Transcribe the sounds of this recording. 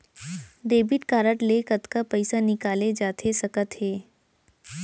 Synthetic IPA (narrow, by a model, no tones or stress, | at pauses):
d̪eːbɪʈkaːɾəʈlekət̪kapəɪsanɪkaːled͡ʒaːt̪ʰesɐkət̪ɦeː